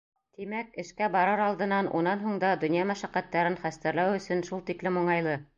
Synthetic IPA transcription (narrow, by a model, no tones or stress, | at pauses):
t̪imækɘ̆ʃkæbɑɾɑɾɑlˠd̪ɤ̆nɑnʔṵnɑnɦuɴd̪ɑd̪ɵ̆njɑmæʃæqæt̪ːæɾɘnχæst̪ɘ̆ɾlæwɵ̆sɵnʃulˠt̪iklɘmuɴɑjlˠɤ